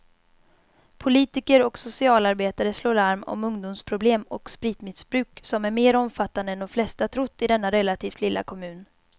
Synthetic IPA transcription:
pʰʊliːt̪ɪkəɾɔksʊsɪɑːlaɾbeːt̪aɾəsloːɾaɾmɔ̰mɵŋd̪ʊmspʰɾʊbleːmɔ̰kspɾiːt̪mɪsbɾʉ̟ːksɔmæɾmeːɾɔmfat̪ːand̪əɛnd̪ɔmflɛst̪at̪ʰɾʊt̪ːɪd̪ɛnːaɾɛlat̪ʰiːft̪ʰlɪlːa̰kʰɔmʉ̟ːn

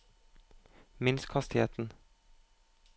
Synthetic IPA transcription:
mɪnskʰhɑst̪ɪheːt̪n̩

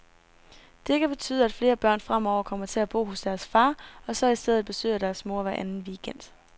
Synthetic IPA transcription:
d̥e̝kʰæb̥e̝t͡sʰy̰ːð̞̩ˠæd̥fle̝ːɐb̥ɶɐ̰nfʁam̰ɒʊ̰ɐkʰɒ̽m̰ɐt͡sʰe̝æb̥o̝̰ːɦɔ̽sd̥æɐsfɑ̈ːɒ̽sɒ̽isd̥eð̞̰ˠð̩ˠb̥e̝sø̰ːɐd̥æɐsmo̝ɐ̰ʋæɐʔænn̩ʋiːɡ̥en̰d̥

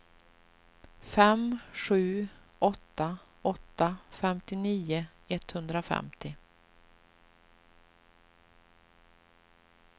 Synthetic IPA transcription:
fɛmɧʉ̟ː | ʔɔt̪ːa | ɔt̪ːafɛmt̪ɪniːʊɛt̪hɵnd̪ɾafɛ̰mt̪ɪ

